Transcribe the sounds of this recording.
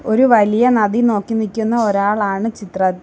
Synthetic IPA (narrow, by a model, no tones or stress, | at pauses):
o̞ɾuʋɐlijɐnɐðino̞ːkːinikʲːunːɐoɾaːɭaːɳɨt͡ɕit̪rɐt̪ː